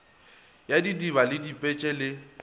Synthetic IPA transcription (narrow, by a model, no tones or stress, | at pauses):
jadidiβalɪdipʼɛt͡ʃʼɛlɪ